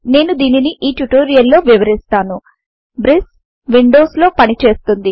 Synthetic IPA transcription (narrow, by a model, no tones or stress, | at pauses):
ne̞ːnud̪iːniniʔiːʈuʈo̞ːɾijɐlːo̞ːʋiʋɐɾist̪aːnu | bɾis | ʋiɳɖo̞ːslo̞ːpɐnit͡ʃe̞ːst̪und̪i